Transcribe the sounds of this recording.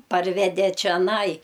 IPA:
ˈpɐrʲʋʲɛdʲɛ t͡ʃʲɛˈnɐɪ

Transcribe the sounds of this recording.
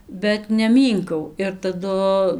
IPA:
bʲɛt nʲɛˈmʲiːŋkɐʊ ɪr tɐˈdʊ

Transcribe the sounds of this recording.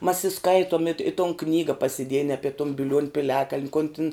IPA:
mɐs ɪ ˈskɐɪtuɔm ɪt ɪ toːn ˈknʲiːɡɐ pɐsʲɪˈdʲiɛjɛn ˈɑːpʲɛ tʊn bʲɪˈlʲuɔnʲ pʲɪˈlʲæːkɐlʲnʲ koːn tʲɪn

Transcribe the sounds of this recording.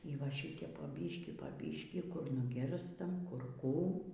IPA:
iː ˈʋɐ ˈʃʲɪtʲɛp poː ˈbʲiːʃʲkʲiː poː ˈbʲiːʃʲkʲiː kʊr nʊˈɡʲɪrstɐm kʊr ˈkuː

